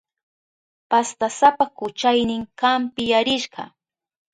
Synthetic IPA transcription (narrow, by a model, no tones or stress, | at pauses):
past̪asapakʊt͡ʃajnɪŋkampɪjaɾɪʃɢɑ̰